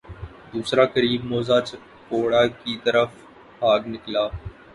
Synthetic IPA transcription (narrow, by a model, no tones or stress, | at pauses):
d̪uːsɾaːkəɾiːbmoːzaːt͡ʃ | koːɽaːkiːt̪əɾəf | haːɡnɪklaː